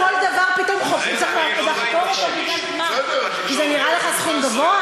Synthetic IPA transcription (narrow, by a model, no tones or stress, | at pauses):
old̪avaʁpit̪omχofzaχmakazaχt̪oma | a | a | kizɛniʁʔaleχasχumɡavoa